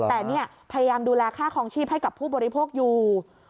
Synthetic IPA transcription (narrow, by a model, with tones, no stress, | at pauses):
t̪ɛː˨˩ni˥˩ɐpʰa˧ja˧jaː˧mduː˧lɛː˧kʰaː˥˩kʰɔː˧ŋt͡ɕʰiː˥˩p̚ɦa˥˩jka˨˩pʰːuː˥˩bɔː˧ɾi˧pʰoː˥˩k̚juː˨˩